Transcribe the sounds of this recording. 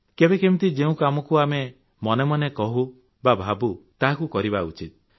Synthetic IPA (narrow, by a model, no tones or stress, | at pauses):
kebekemĩt̪id͡ʒeũkamɔkuame | mɔnemɔnekɔɦu | babʱabut̪aɦakukɔɾibaut͡ʃit̪̚